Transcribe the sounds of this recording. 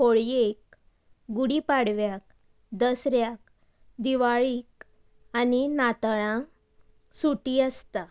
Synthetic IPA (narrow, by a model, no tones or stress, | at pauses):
koɭjek̚ | ɡuɽiːpaɽʋjak̚ | d̪əsɾjak̚ | d̪iʋaɭiːk | aninat̪ɭã | suʈiəst̪a